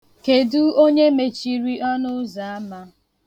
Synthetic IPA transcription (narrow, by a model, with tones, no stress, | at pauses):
ke˨du˦o˦ɲe˦me˨t͡ʃi˦ɾi˦ʔɔ˦nʊ˦za˨a˦ma˦